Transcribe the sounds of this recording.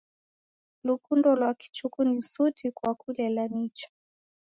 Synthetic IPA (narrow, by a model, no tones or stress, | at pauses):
lukundɔlwaki̥t͡ʃukunisutikwakulɛlanit͡ʃḁ